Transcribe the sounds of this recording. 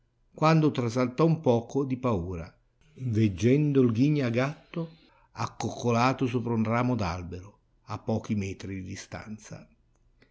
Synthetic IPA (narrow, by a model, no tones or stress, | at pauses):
kwand̪ot̪ɾas̬alt̪ɔumpɔːkʰod̪ipauːɾa | ved͡ʒːɛnd̪ʊlɡiɲːaɡat̪ːo | akːokʰːolaːt̪ʊs̬uːpɾundraːmod̪a̰lbeɾʊ | apːɔːkimɛːt̪ɾid̪id̪ist̪a̰nt̪sa̰